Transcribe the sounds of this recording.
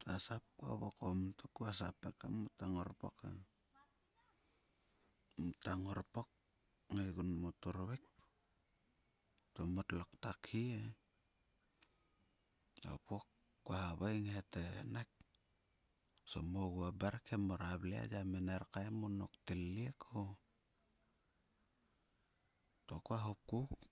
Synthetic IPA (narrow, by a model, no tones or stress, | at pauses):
tasap̚ko̰βokomtokuasapekamutaŋoɾpo̰kḛ | mutaŋoɾpok̚ | ŋeɡunmotoɾβek̚ | tomotloktakʰie | o̰pokː | waaβajŋetḛnak̚ | so̰moɡuabaɾkʰemoɾaβlia̰jameneɾkaemono̰kteliekʰo | tokaɦuku